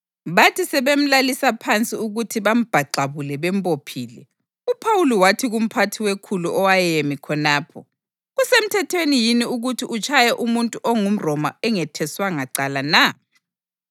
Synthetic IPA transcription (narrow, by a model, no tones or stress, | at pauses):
βatʰisɛβem̩lalisapʰant͡sʼiuɣutʰiβam̩b̥ʱaǃaβulɛβɛmpʼopʰiːlɛ̰ | upʰawuliwatʰiɣum̩pʰatʰiwekʰuluʔɔwajemikʰɔnaːpʰɔ̰ | ɣusem̩tʰɛtʰwenijiniuɣutʰiʔut͡ʃʰajɛʔumuntʼuʔɔŋum̩rɔmaɛŋɛtʰɛswaŋaǀalana